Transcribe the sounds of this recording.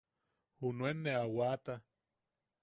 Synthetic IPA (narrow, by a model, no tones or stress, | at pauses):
hunwenːeawat̪a